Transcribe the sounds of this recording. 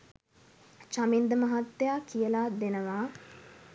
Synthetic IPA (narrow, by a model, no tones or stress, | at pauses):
t͡ʃamind̪əmɐɦat̪ːejakijəlad̪enəʋaː